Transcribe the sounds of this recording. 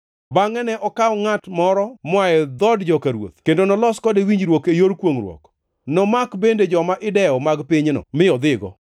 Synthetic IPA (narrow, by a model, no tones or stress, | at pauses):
baŋɛnɛʔɔkawɔŋatmɔɾɔmwaɛd̪ɔdd͡ʒɔkaɾwo̰t̪̚kendonɔlɔskɔdewiɲd͡ʒɾwokejoɾkwoŋrwɔ̰k | nɔmakbended͡ʒɔmaʔɪdɛɔmaɡpɪɲnɔ̰mɪɔd̪ɪɡɔ̰